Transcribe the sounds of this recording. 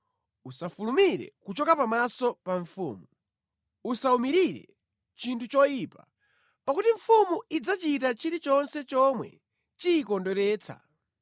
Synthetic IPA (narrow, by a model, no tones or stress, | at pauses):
usafulumiɾɛ̰kut͡ʃɔkapamasɔpaɱfṵːmu | usaumiɾiɾɛ̰ | t͡ʃintʰut͡ʃɔjipa̰ | pakutiɱ̩fumuid͡zat͡ʃitat͡ʃiɾit͡ʃɔnsɛt͡ʃɔmwɛ̰ | t͡ʃiːkɔndɔɾɛːt͡sʰa̰